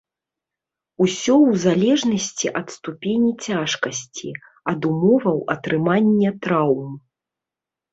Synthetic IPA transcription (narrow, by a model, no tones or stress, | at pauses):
usʲɔwzalʲɛʐnɐsʲt͡sʲiʔɐt̪st̪upʲenʲit͡sʲaʂkɐsʲt͡sʲḭ | ɐd̪umɔvɐwɐt̪ɾɨmanʲːɐt̪ɾawm